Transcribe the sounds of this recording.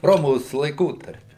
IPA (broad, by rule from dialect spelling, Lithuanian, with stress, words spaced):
ˈroːmoːs lˠɐɪˈkoːtɐrʲpʲɪ